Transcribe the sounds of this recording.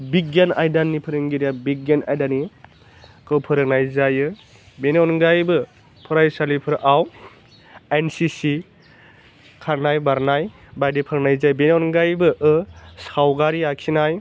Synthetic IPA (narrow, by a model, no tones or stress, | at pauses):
biɡana̰jdanːipʰɯɾɯŋɡiɾijabiɡana̰jdani | kʰɯwpʰɯɾɯk̚najzajɯ | benɔnɡajbɯ | pʰɯɾajsalipʰɯɾʔaw | ensisi | kʰaɾnajbaɾnaj | bajdipʰɯɾɯknajzajbenɔnɡajbɯʔɯsawɡaɾiakʰinaj